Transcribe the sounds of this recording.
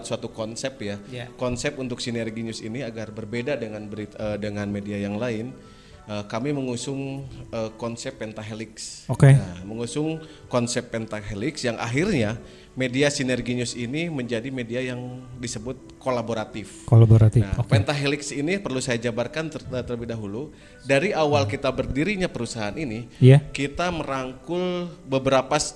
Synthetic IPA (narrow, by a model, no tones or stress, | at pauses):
t̪suat̪ukɔnsɛpjakɔnsɛpunt̪ʊk̚sinɛrɡiɲʊsḭniaɡarbərbedadəŋanbəɾit̪ədəŋanmediajaŋlaɪn | əkamiməŋusʊŋəkɔnsɛpːɛnt̪aɦelɪksokeaməŋusʊŋ | kɔnsɛpːɛnt̪aɦelɪksjaŋʔa̰ɦirɲa | mediasinɛrɡiɲʊsiniməɲd͡ʒadimediajaŋdisəbʊt̪̚kolaboɾat̪ɪfkolaboɾat̪ɪna̰kpɛnt̪aɦelɪksinipərlusajad͡ʒabarkant̪əət̪ələbɪhdaɦulu | daɾiawalkit̪abərdiɾiɲapəɾusaɦaːniniiakit̪aməɾaŋkʊlbəbəɾapa